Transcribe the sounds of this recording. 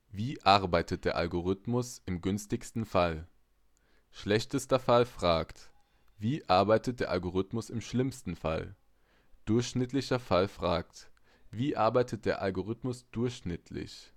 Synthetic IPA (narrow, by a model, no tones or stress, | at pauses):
viːʔaɐbaɪtʰət̚d̥eːɐʔa̰lɡoʁ̞ʏtmʊsɪmɡʏnstɪçstn̩fal | ʃlɛçtəstɐfalfʁ̥aːkt | viːʔaɐbaɪtət̚d̥eːɐʔalɡoʁ̞ʏtmʊsɪmʃlɪmstn̩fa̰l | d̥ʊɐçʃnɪtʰlɪçɐfalfʁ̥aːk̚t | viːʔaɐbaɪtət̚d̥eːɐʔalɡoʁ̞ʏtmʊsd̥ʊɐçʃnɪtʰlɪ̰ç